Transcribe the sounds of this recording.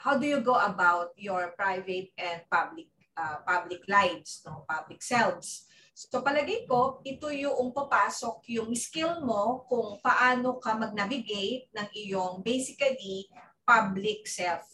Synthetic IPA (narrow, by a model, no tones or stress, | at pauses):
hawd̪ujuɡoʔɐbawt̪̚joɹpɹajvɛt̪̚ʔɛ̃nd̪̚pablɪk̚ʔapablɪklajvsnopablɪksɛlvsː | opɐlɐɡɐjko̞ʔɪt̪ojʊʔʊŋpɐpaːsok̚jʊŋskilmo̞kʊŋpɐʔaːnokɐmɐɡ̚navɪɡejt̪̚nɐŋʔɪjoŋbejsɪkɐlipablɪk̚sɛlf